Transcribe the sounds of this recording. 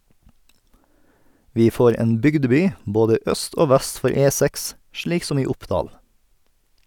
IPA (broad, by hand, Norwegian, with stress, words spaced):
ˈʋiː ˈfoːɾ ˈeːn ˈbʏɡdəˌbyː ˈboːdə ˈœst ˈoː ˈʋæst ˈfɔɾ ˈeːˌsæks ˈʃɭiːk ˈsɔm ˈiː ˈʊpˌdɑːl